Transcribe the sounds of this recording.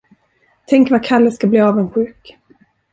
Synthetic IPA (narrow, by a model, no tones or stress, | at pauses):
t̪ʰɛŋkvakʰalːəskabliːɑːvənɧʉ̟ːk